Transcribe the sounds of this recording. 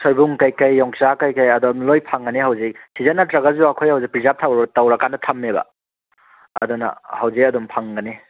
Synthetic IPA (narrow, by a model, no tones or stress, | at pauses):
sojbuŋkɐjkɐjːɔŋsakajkɐjɐdomlojpʰaŋɡɐneɦawzik̚sizanːɐtɾɐɡɐzuɐkʰojhawzipɾizap̚tʰawɾtɐwɾɐkanːɐtʰɐmːebɐ̰ | ɐ̰dɔnɐ̰hɐwzikɐdɔmpʰaŋɡɐne